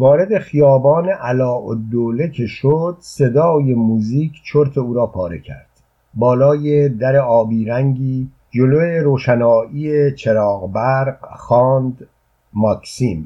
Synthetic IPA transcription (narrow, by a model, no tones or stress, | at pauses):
vɒːɾe̞d̪e̞xijɒːbɒːne̞ʔælɒːʔo̰d̪ːoːle̞cʰe̞ʃod̪̥se̞d̪ɒːje̞muːziːkʰt͡ʃʰoɾt̪ʰe̞uːɾɒːpʰɒːɾe̞̰cʰæ̰ɾd̪̥ | bɒːlɒːjed̪æɾe̞ɒːbiːɾæŋɟiː | d͡ʒoloeɾoːʃænɒːʔiːet͡ʃʰe̞ɾɒːɣbæɾqxɒːnd̪ | mɒːkʰsim